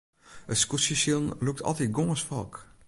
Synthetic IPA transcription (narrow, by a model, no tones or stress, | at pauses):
ətskusisilˠnluk̚tʰɔ̰lˠtit̚ɡoŋəsfɔk